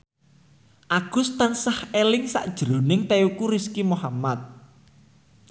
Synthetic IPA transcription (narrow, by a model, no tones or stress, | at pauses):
ʔaɡ̥ʊ̤st̪ansahelɪŋsa̰ʔd̥ʒ̥əɾo̤nɪŋt̪eukuɾiskimohamat̪̚